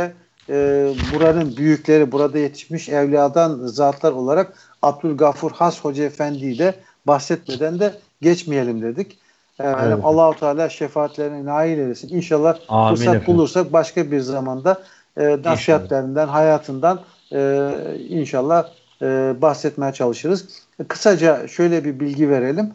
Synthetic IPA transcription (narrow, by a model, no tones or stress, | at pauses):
ɛ | buɾaɾɯnbyjyclʲe̞ɾibuɾad̪aje̞t̪ʰi̥ʃmiʃɛvlʲiaːd̪anzaːt̪ʰlˠaɾo̞lˠaɾak | ab̚d̪ylʲɡafuɾhasho̞d͡ʒaefænd̪id̪ɛ | baxsɛt̪me̞d̪ænd̪ɛ | ɟɛt͡ʃmije̞lʲimd̪e̞d̪ic | ɛmeimalˠːaːhut̪ʰaːlʲaːʃefaːt̪lʲeɾinɛnaːɦilʲelesininʃalˠːahbuɾakbulˠuɾsak̚baʃkabiɾzamand̪a | ɯːnasihat̪lʲeɾind̪ænɦajaːt̪ʰɯnd̪an | ɯinʃalˠːahː | baxsɛt̪mejɛt͡ʃʰalˠɯʃɯɾɯz̥ | kʰɯ̥sad͡ʒaʃø̞jlʲɛbibilʲɟive̞ɾe̞lʲim